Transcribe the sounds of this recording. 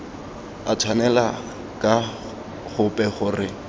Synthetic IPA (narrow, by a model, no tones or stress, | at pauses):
atʰwanɛla | kʼa | χʊpʼɛχʊrɪ